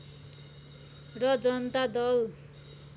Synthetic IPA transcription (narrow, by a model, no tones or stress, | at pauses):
rʌd͡zʌnʌt̪ad̪ʌl